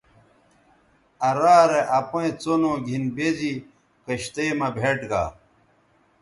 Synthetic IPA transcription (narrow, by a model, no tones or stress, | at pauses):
ɐɾaːɾeʔɐpõẽt͡sonoːɡʱinbed͡ʑi | kɐɕt̪emɐbʱeʈɡa̰ː